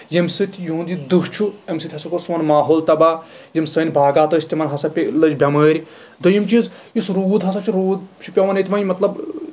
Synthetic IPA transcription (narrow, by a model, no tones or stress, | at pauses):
jemsɨt̪ʲʰjuũnd̪id̪ɨɦt͡ʃʰuɐmsɨt̪ʲɦɐsɐkosʋɐnmaːɦoːlt̪ɐbaː | jɐmʲsəːnʲbʱaːɡaːt̪ɐːsʰʲt̪ʲimɐnɦɐsɐpʲlɐd͡ʒbʲɐməːɾʲi | d̪ojimt͡ʃiz | isɾuːd̪ɦɐs̬ɐt͡ʃʰuɾuːd̪̚t͡ʃʰu̥pʲɐʋɐnet̪ʲʋɐ̃jmɐt̪lɐb